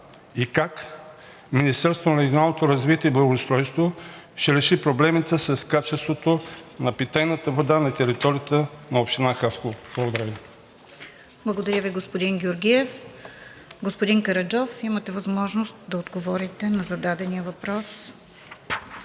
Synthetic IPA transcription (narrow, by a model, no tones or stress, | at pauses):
ikak | minist̪ɛɾst̪vonɾɛɡʲionalˠnot̪oɾɐzvit̪ʲɛiblˠɐɡost̪ɾɔjst̪vo | ʃɛɾɛʃipɾoblɛmit̪əsɐskat͡ʃɛst̪vot̪onɐpit̪ajnət̪əvod̪anɐt̪ɛɾit̪ɔɾiət̪ənɐopʃt̪inaxaskob̥lˠɐɡod̪ɐɾʲəvi | blˠɐɡod̪ɐɾʲəviɡospod̪iŋɡʲʊɾɡʲiɛf | ɡospod̪iŋkɐɾɐd͡ʒɔfimɐt̪ɛvɐzmɔʒnost̪d̪ɐod̪ɡovɔɾit̪ɛnɐzɐd̪ad̪ɛnijəvɐpɾɔs